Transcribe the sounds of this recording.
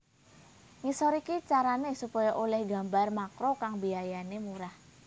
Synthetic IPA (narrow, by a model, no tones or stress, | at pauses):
ŋisɔɾikit͡ʃaɾanesupɔjaʔolɛhɡa̤mbarmakɾokaŋbiajanemuɾah